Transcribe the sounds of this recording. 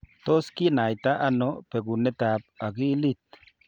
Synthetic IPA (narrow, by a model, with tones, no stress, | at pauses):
t̪o˦ski˦na˨jt̪a˦ʔa˦nope˨ɡu˨ne˦t̪a˨p̚a˨ɡi˦li˦t̪̚